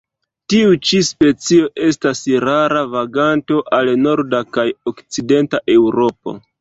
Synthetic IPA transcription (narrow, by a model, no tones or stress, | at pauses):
tiut͡ʃispe̞t͡sio̞ʔe̞stasɾaɾavaɡanto̞ʔalno̞ɾdakajo̞kt͡side̞ntaʔe̞wɾo̞po̞̰